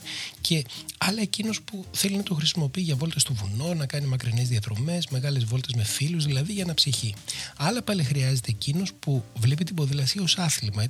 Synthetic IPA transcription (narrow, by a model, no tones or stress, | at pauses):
cʰe̞ɐlɐe̞cino̞spuθe̞linɐt̪oxɾisimo̞piːʝɐvo̞lt̪ɐst̪ovuno̞nɐkɐnimɐkɾine̞zðiɐðɾo̞me̞zme̞ɣɐle̞zvo̞lt̪ɐzme̞filuzðilɐðiʝɐːnɐpsiçiɐlɐpɐlixɾiɐze̞t̪e̞ːcino̞spuvlipit̪ibo̞ðilɐsio̞sɐθlimɐi